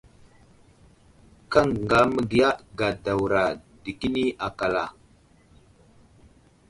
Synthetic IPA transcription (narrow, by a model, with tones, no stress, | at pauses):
ka˦˨ŋŋɡa˦mə˦ɡi˨ja˦ɡa˨da˨wɾa˨ | də˨ki˦ni˦ʔa˨ka˨la˨